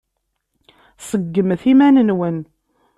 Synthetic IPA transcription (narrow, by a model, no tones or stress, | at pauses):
səɡːəmθimænənwən